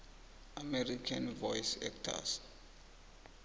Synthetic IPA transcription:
amɛɾikʰãnvɔjsɛ̰k̚tʰa̰s

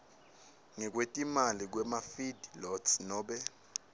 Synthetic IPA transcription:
ŋɛk̬wetʼimalik̬wɛmafidlɔtsnɔːɓɛ

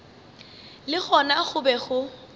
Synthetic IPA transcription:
lɪχʰɔnaχʊbɛχʊ

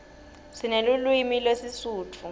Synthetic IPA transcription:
sinelulwimilwesisuːtʰu

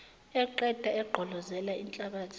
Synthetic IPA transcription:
ɛǃɛd̥ʱaɛɡ͡ǃʱɔlɔzɛlaint͡ɬʼaɓaːtʰ

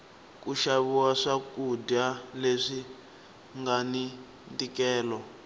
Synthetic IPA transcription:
kuʃaβuwaʂakudaleʂi | ŋɡani | ntikɛːlɔ

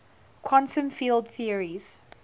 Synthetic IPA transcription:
kʰɔ̃ntə̃mfiːlˠdθiəɹiz̥

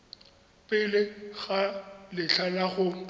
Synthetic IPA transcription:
pʼɪlɪɣalɪɬʰalaχʊ

